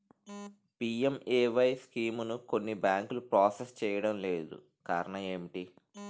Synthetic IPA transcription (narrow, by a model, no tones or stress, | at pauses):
piemeːʋɐjskiːmunuko̞nːibaːŋklupɾaːsest͡ʃɛːjɐɽɐmle̞ːd̪ṵ | ka̰ːɾɐɳɐeːmʈi